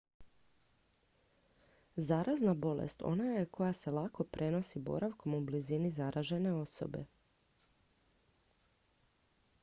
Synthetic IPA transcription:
zaɾʔaznabo̞lḛst̪o̞̰najajekʰo̞jase̞lako̞pɾʔe̞no̞sibo̞̰ɾʔaʋkʰo̞mublizinizaɾʔaʒe̞ne̞o̞so̰be̞̰

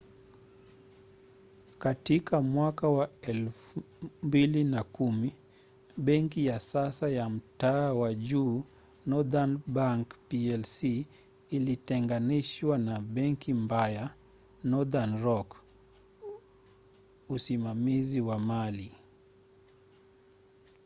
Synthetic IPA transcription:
katikamwakawaɛlf | mbilinakumi | ɓɛŋkijasasajam̩taːwaʄuː | nɔðanbaŋkpiɛlsiː | litɛŋɡaniʃwanaɓɛŋkimbaja | nɔðanɾɔk | usimamiziwamali

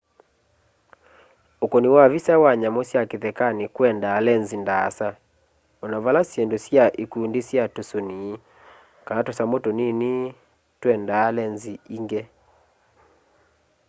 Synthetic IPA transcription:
okoniwavisawaɲamosjakeðɛkanekwɛndaːlɛnzindaːsa | ɔnaβalasjendosjaʔekundesjatosoniː | kanatosamotonene | twɛndaːlɛnziiŋɡɛ

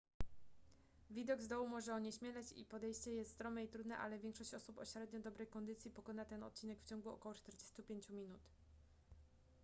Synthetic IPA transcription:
vʲid̪ɔɡzd̪ɔwumɔʐɛɔɲɛɕmʲjɛlɛt͡ɕḭpɔd̪ɛjɕt͡ɕɛjɛst̪ːt̪ɾɔmɛit̪ɾud̪nɛ̰ʔa̰lɛvʲjɛŋkʂɔɕt͡ɕɔsupɔ̰ɕɾɛd̪ɲɔd̪ɔbɾɛjkɔnd̪ɘt̪sʲjipɔkɔnat̪ɛnɔ̰t̪̚t͡ɕinɛkft͡ɕɔŋɡuɔ̰kɔwɔt͡ʂt̪ɛɾd͡ʑest̪upʲjeɲt͡ɕumʲinut̪

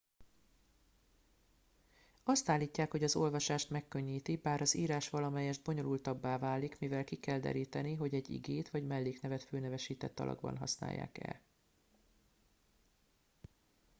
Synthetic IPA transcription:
ɒst̪aːlːiːcːaːkho̞ɟɒzo̞lvɒʃaːʃt̪mɛkːø̞ɲːiːt̪ibaːɾɒziːɾaːʃʋɒlɒmɛjɛʒd̪̚bo̞ɲo̞lult̪ɒbːaːvaːlikmivɛlkikɛld̪ɛ̰ɾiːt̪ɛniɦo̞ɟɛɟːḭɡeːt̪ʋɒɟmɛlːeːknɛvɛt̪føːnɛvɛʃiːt̪ɛt̪ːɒ̰lʔɒ̰ɡbɒ̰nɦɒ̰sna̰ːjːa̰ːkɛ̰l

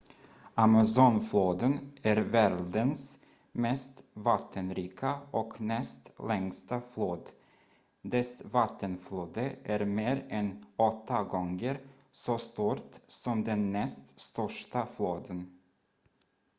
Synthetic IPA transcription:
amasɔnfloːd̪ənæɾvæːɾɖəns | mɛst̪vat̪ʰːənɾiːkʰaɔknɛst̪lɛŋst̪afloːd̪ | d̪ɛsvat̪ʰːənfloːd̪əʔæːɾmeːɾɛnɔt̪ːaɡɔŋɡəɾ | sost̪uːɾt̪sɔmd̪ɛnːɛst̪st̪œʂʈafloːd̪ən

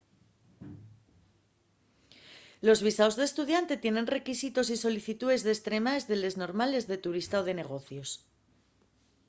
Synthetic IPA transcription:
lo̞zβisaozðest̪uð̞jant̪e̞t̪je̞nẽ̞nre̞kisit̪o̞siso̞liθit̪uðe̞zðest̪ɾe̞maezðele̞zno̞ɾmale̞zðe̞t̪uɾist̪aoð̞e̞ne̞ɣ̞o̞θjo̞s

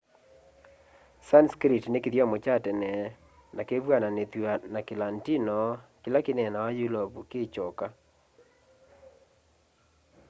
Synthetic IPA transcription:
sanskɾitnekɪðjamot͡ʃatɛnɛ | nakeβwananet̪wanakɪlantinɔkɪlakɪnɛnawajulɔbukɪt͡ʃɔka

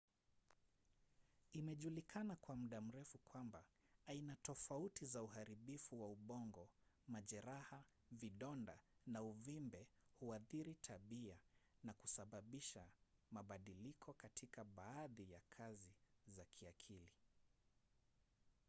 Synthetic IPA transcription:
imɛʄulikʰanakwam̩ɗam̩ɾɛfukwambaainatɔfautizauhaɾiɓifuwauɓɔŋɡɔmaʄɛɾaha | viɗɔndanauvimbɛhuaθiɾitʰaɓianaku̥saɓaɓiʃamaɓaɗilikʰɔkatʰikaɓaːðijakʰazizakʰiakʰili

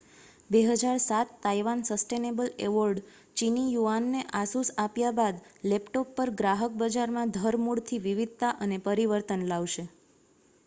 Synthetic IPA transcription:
beɦəd͡ʒaɾsat̪ːajʋansəsʈenebəleʋəɾɖ | t͡ʃinijuanːeʔasusapjabad̪lɛpʈopːəɾɡɾaɦək̚bəd͡ʒaɾmãd̪ʱəɾmuɽt̪ʰiʋiʋid̪̚ʱt̪aʔənepəɾiʋəɾt̪ənlaʋʃe

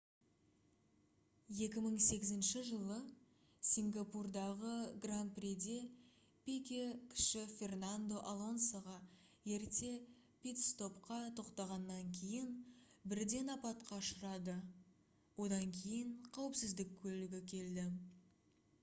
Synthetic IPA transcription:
je̞kʲɪməɴse̞ɡʲɪzɪnʃɪʒəlˠə | sʲiŋɡapurd̪ɑʁəɡranprʲed̪e̞ | pʲekʲekʲʰɪ̥ʃɪfʲe̞rnand̪o̞ʔalˠo̞nsaʁɑ | je̞ɾt̪e̞ | pʲit̪st̪o̞pqɑt̪ʰo̞qt̪ɑʁɑnːɑŋkʲʰejɪnbɪɾd̪e̞nɑpɑt̪̚qɑʃəɾɑd̪ə | wo̞d̪ɑŋkʲʰe̞jɪɴqʰɑwəpsɪzd̪ɪk̚ʲkʲʰːɵlɪɡʲɪkʲʰe̞ld̪ɪ

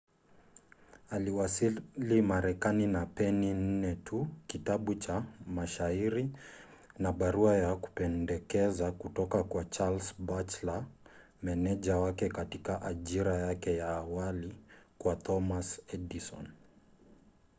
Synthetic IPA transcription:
aliwasilimaɾɛkaninapɛnin̩nɛtʰukitaɓut͡ʃamaʃaiɾi | naɓaɾuajaku̥pɛndɛkɛzakutɔkakwat͡ʃalsbat͡ʃla | mɛnɛʄawakɛkatikaʔaʄiɾajakɛjaːwalikwat̪ʰɔmasɛdisɔ̰n

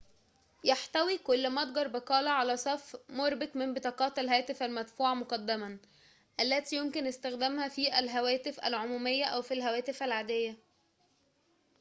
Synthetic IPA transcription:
jaħt̪æwikʊlːmɑd̪̚ˤɡɑɾˤbeqɑːlɑʕalæsˤɑfmoɾbɪkmɪmbet̪ˤɑːqɑːt̪ælɦæːt̪ɪfælmæd̪fuːʕɑmoqɑd̪ːæmæ | ʔælːæt̪ijomkɪnʔɪst̪æxd̪æmhæfiːʔælɦæwæːt̪ɪfʔæ̰lʕomuːmejːæʔæwfilɦæwæːt̪ɪfælʕaːd̪ejːæ

